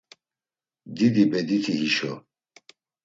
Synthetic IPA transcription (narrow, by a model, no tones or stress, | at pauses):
d̪id̪ibɛd̪it̪ʰiɦiʃɔ̰